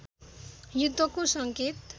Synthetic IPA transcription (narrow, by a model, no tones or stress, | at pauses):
jud̪ʱːʌkosʌŋket̪